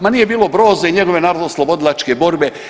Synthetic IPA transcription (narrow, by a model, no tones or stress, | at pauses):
manije̞biːlˠo̞bɾo̞ːzeiɲeɡo̞ʋe̞naːɾod̪noslˠobo̞d̪ilˠat͡ʃkebo̞ɾbe